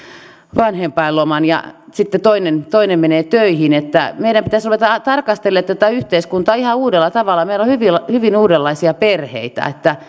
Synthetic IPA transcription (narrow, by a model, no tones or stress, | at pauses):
ʋɑnhempɑilomɑnjɑ̰sit̪ːet̪oinent̪oinemmeneːt̪øihinet̪ːæmeiɾæmpit̪æsruʋet̪ɑt̪ɑrkɑst̪elːet̪t̪æt̪æyht̪eiskunt̪ɑːihɑuːdelːɑt̪ɑʋɑlːˑɑmeilohyʋilɑhyʋinuːdelːɑisiɑperhḛit̪æ̰et̪ːæ